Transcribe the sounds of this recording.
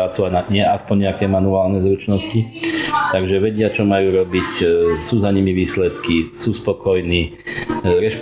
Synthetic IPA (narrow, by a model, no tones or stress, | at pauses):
aːt͡suanaɲɪɛaspɔɲɲɛakɛmanuaːlnɛzɾut͡ʃnɔscit̪aɡʒɛʋɛɟɪat͡ʃɔmajuːɾɔbicsuːzaɲimiʋiːslɛt̪kisuːspɔkɔjniː | ɾɛʃp